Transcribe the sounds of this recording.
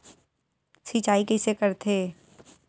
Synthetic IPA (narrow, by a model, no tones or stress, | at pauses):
siːt͡ʃaːikɛːsekəɾt̪ʰeː